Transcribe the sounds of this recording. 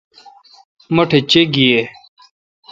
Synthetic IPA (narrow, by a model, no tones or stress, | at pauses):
mɐʈʰet͡ɕeɡie